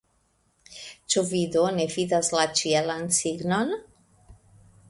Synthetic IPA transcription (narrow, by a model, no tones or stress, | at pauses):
t͡ʃovid̪onefid̪aslat͡ʃiɛlansiɡnɔn